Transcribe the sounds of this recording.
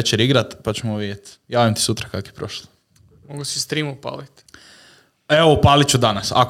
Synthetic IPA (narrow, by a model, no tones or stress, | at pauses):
et͡ɕeɾiɡɾat̪pat͡ɕemoʋid̪ʲjet̪jaːʋimt̪i̥sut̪ɾakakoepɾo̰ʃlˠo̥ | moɡusist̪ɾimupa̰ːlit̪ | eʋoupaːlit͡ʃud̪anasa̰k